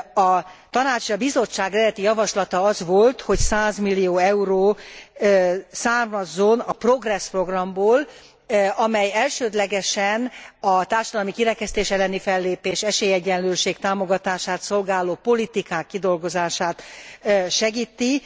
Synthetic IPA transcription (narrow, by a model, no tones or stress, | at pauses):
ɒt̪ɒnaːt͡ʃeʃɒbizo̞t͡ʃːaːɡrɛd̪ɛt̪ijɒvɒʃlɒt̪ɒɒzʋo̞lt̪ho̞csaːzmilːijoːɛuɾoː | saːrmɒzːonɒpro̞ɡrɛspro̞ɡrɒmboːl | ɒmɛjɛlʃøːd̪lɛɡɛʃɛnɒt̪aːrʃɒd̪ɒlmikiɾɛkɛst̪eːʃɛlːɛnifɛlːeːpeːʃɛʃeːjɛɟːɛnløːʃeːkt̪aːmo̞ɡɒt̪aːʃaːt̪so̞lɡaːloːpo̞lit̪ikaːkːid̪o̞lɡo̞zaːʃaːt̪ː | ʃɛɡiːt̪ːi